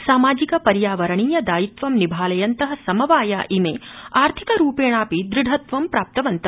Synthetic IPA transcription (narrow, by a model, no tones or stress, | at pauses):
saːmaːd͡ʒikɐpɐɾjaːʋɐɾɐɳ̃iːjɐd̪aːjit̪ʋɐmnibʱaːlɐjɐnt̪ɐɦɐ̆sɐmɐʋaːja̰ːʔimeːaːɾt̪ʰikɐɾuːpeːɳ̃aːpid̪ɾɪɖʱɐt̪ʋɐmpɾaːp̚t̪ɐʋɐnt̪ɐ